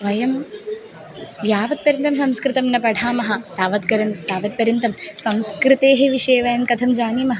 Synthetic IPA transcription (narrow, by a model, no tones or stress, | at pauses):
ʋɐjɐm | jaːʋɐt̪̚pɐɾjɐnt̪ɐmsɐmskɾɨt̪ɐmnɐpɐɖʱaːmɐɦɐt̪aːʋɐt̪kɐɾɐnt̪aːʋɐt̪̚pɐɾjɐnt̪ɐmsɐmskɾit̪eːɦeʋiʂeːʋɐjɐmkɐt̪ʰɐmd͡ʒaːniːmɐɦɐ